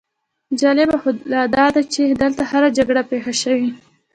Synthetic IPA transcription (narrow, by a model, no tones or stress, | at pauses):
d͡ʒɑlɪbaxolad̪ɑd̪at͡ʃed̪əlt̪ahaɾad͡ʒaɡɽapexaʃəwi